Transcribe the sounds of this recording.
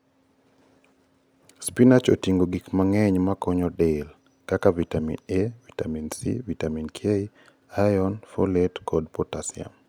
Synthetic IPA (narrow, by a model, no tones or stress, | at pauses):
spinat͡ʃotiŋɡoɡikmaŋɛɲmakɔɲɔdel | kakavitamḭnevitaminsḭvitaminkʰjei | ajɔnfo̰letkɔdpɔtasia̰m